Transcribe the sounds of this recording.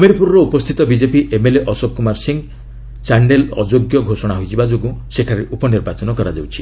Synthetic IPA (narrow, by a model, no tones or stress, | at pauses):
ameɾipuɾɔɾɔupɔst̪ʰit̪ɔbid͡ʒepiʔemeleʔɔsɔb̚kːumaɾsiŋ | t͡ʃaɳɖelɔ̰d͡ʒoɡjɔɡʱosɔɽ̃aɦojd͡ʒibad͡ʒoɡũseʈʰaɾeʔupɔniɾbat͡ʃɔnɔkɔɾad͡ʒawt͡ʃʰi̥